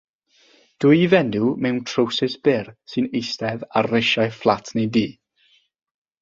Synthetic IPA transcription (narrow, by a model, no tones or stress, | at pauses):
d̥ʊjvɛnumɛwntʰrowsɪsb̥ɪrsɨnejstɛva̰rːɪʃajflˠatʰnediː